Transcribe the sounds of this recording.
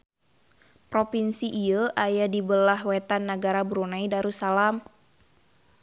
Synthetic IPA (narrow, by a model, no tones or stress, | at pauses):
pɾopinsiʔːəʔajadibəlahwɛt̪anːaɡaɾabɾunaidaɾusalam